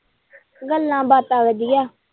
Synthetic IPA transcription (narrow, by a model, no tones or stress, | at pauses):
ɡəlːãːbaːt̪aːʋəd̪ɪjaː